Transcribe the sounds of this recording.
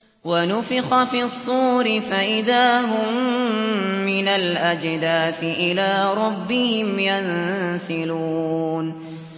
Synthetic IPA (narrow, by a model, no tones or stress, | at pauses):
wanʊfɪxafiːsˤːuːɾɪfaʔɪðaːɦʊmː | ɪnalʔad͡ʒd̪aːθɪʔɪlaːɾˤɑbːɪhɪmjansɪluːn